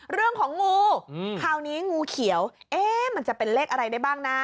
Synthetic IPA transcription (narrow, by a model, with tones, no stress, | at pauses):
ɾɯ˥˩əŋkʰɔː˩˦ŋːuː˧kʰaː˧˩wniː˦˥ŋuː˧kʰi˨˩˦ə˦wʔeː˦˥ma˧˩˥nt͡ɕa˨˩pe˧nleː˥˩k̚ʔa˧ɾa˧jda˥˩jbaː˥˩ŋna˦˥